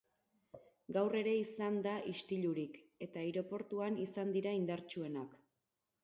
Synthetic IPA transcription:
ɡawre̞ɾe̞isand̪aʔist̪iʎuɾike̞t̪aiɾo̞po̞ɾt̪uanisand̪iɾaind̪aɾt͡ʃue̞nak

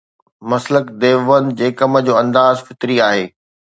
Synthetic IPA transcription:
mɐsləkd̪eːʋənd͡ʑeːkɐmə̆d͡ʑoːɐ̃nd̪aːzfɪt̪ɾiaːɦeː

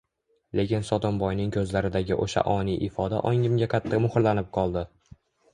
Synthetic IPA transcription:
le̞kʲɪnsɒt̪ɒmbɒjnɪŋkʰɵzlaɾɪd̪aɡʲɪʔoʃa̰ʔɒnijʔɪfɒd̪a̰ʔɒŋʲɪmɡʲakʲʰat̪ʰːamʊhɾlanɪp̚qʰɒlˠd̪ɪ

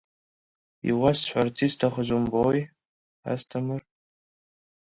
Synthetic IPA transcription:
ḭwasħʷart͡sʰistʰaχəʒʷumboj | a̰stʰamɨr

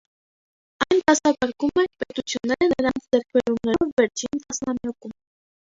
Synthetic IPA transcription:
ɑjnt̪ɑsɑkɑɾkumɛpɛt̪ut͡sʰjunːɛɾənəɾɑnnt͡sʰd͡zɛɾk̚ʰbɛɾumnɛɔvːɛɾt͡ʃʰint̪ɑsnɑmjɑkum

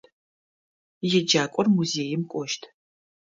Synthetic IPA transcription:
jɛd͡ʒaːkʷʼɔrmuzeːjɪmkʷʼɔʃtʰ

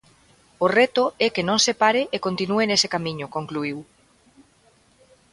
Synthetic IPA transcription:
orɛt̪ʊɛkenõŋsepaɾɪʔekont̪inuenesekamĩɲʊkoŋkluiw

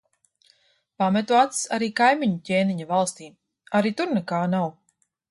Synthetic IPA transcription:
pamɛt̪uat̪saɾiːkajmiɲucʲeːniɲavalˠst̪iː | aɾiːt̪uɾnɛkaːnaw

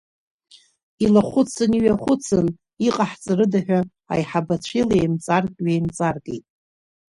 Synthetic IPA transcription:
ilaχʷʊt͡sʰɨniɥaχʷʊt͡sʰɨn | iqʼaħt͡sʼarɨdaħᶣa | a̰jħabat͡ɕʷʰelaejmt͡sʼarkʼɥejmt͡sʼarɡʼḛjtʼ

